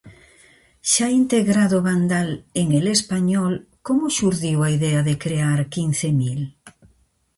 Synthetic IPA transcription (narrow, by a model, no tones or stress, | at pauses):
ʃaint̪eɣɾaðʊβand̪aleŋelespaɲɔlkomʊʃuɾðiwaiðɛaðekɾeaɾkin̟θemil